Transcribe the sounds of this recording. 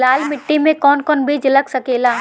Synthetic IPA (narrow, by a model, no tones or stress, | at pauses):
laːlmɪʈːimẽkɔːnkɔːnbiːd͡ʒlɐɡsɐkeːlaː